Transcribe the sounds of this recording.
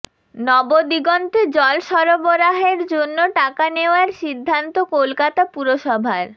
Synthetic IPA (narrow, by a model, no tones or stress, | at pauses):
nɔbod̪iɡɔnt̪ed͡ʑɔlʃɔɾoboɾaɦeɾd͡ʑonːoʈakaneoaɾʃid̪ʱːant̪okolkat̪apuɾoʃɔbʱaɾ